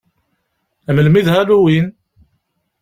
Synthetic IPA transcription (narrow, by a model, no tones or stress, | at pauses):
æməlmiðhæluwin